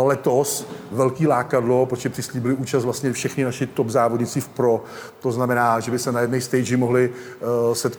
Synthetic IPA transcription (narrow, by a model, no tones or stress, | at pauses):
lɛt̪o̞svɛlkiːlaːkadlo̞pɾoʒɛpr̥ɪsliːbɪlɪʔuːt͡ʃast̪vlast̪ɲɛfʃɛxnɪnaʃɪt̪obzaːvodɲɪt͡sɪfpɾo̞ | t̪o̞znamɛnaːʒɛbɪsɛnajɛdnɛjst̪ɛjd͡ʒɪmoɦlɪ | sɛt̪